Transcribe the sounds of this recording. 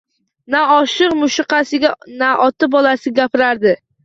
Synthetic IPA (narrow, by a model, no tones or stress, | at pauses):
naɒʃɨqmʊʃɪqɑsɪɡʲanaʔɒt̪ɪbɒlasɪɡʲapɪɾaɾd̪ɪ